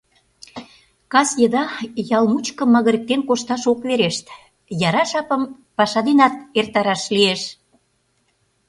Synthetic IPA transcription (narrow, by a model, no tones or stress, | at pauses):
kɑsjəd̪ɑjɑlmut͡ɕkə̆mɑɣə̆ɾə̆k̚t̪enkoʃt̪ɑʃokβeɾeʃt̪ | jɑɾɑʃɑpə̆m | pɑʃɑd̪enɑt̪̚ert̪ɑɾɑʃlieʃ